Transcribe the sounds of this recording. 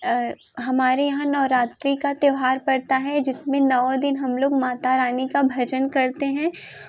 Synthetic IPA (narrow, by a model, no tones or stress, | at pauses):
ɦɐmaːɾejɐɦãnɔːɾaːt̪ɾikat̪jɐʋɦaːɾpɐɽt̪aɦɛd͡ʒɪsmẽnɐʋad̪ɪnɦɐmloːɡmaːt̪aɾaːnikabʱɐd͡ʒənkɐɾt̪eɦɛ̃ː